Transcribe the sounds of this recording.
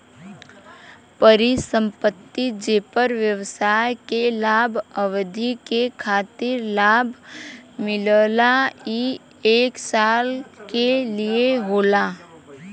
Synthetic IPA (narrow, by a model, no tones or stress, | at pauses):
pəɾisə̃mpət̪ːid͡ʒeːpəɾʋjəʋsaːjkelaːbʱəʋd̪ʱikekʰaːt̪ɪɾlaːbʱmɪləlai | eːksaːlkelieɦoːlaː